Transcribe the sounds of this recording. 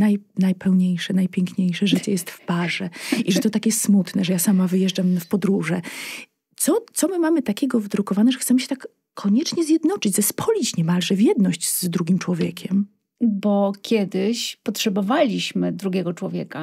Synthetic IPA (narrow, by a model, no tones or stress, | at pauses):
najnajpʰɛwɲejʂɛnajpʲjɛŋkɲejʂɛʐɘt͡ɕɛjɛst̪fpaʐɛiʐɛt̪ɔt̪akjɛst̪smut̪nɛʐɛjasamavɘjɛʐd͡ʐafpɔd̪ɾuʐɛ | t̪sɔt̪sɔmɘmamɘt̪akʲɛɡɔvd̪ɾukɔvanɛʐɛxt̪sɛmɘɕɛ̥t̪akʰː | ɔɲɛt͡ʂɲɛzʲjɛd̪nɔt͡ʂɘd͡ʑzɛspʰɔlʲit͡ɕɲɛmalʐɛvʲjɛd̪nɔɕd͡ʑzd̪ɾuɡʲimt͡ʂwɔvʲjɛkʲʰɛm | bɔkʲjɛd̪ɪɕpɔtʂɛbɔvalʲiɕmɘd̪ɾuɡʲɛɡɔt͡ʂwɔvʲjɛka